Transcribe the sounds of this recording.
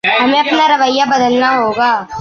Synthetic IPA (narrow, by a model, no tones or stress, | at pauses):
ɦɐmẽɐpnaɾɐʋəɪjːabɐd̪əlnaɦoːɡaː